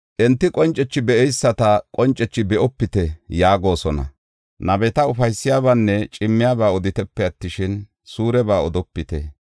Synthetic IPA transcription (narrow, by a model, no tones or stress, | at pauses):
ʔɛnt̪ːɪkʼɔnt͡ʃʼːɛt͡ʃːɪbɛʔɛjsːɐt̪ɐkʼɔnt͡ʃʼːɛt͡ʃːɪbɛʔɔpːɪt̪ɛjaːɡo̞ːsɔnɐ̰ | nɐbɛt̪ɐʊfɐjsːɪjaːβanːɛt͡ʃʼɪmːɪjaːbaːɔd̪ɪt̪ɛpːɛɐt̪ːɪʃɪn | suːɾɛbaːɔd̪ɔpːɪt̪ɛ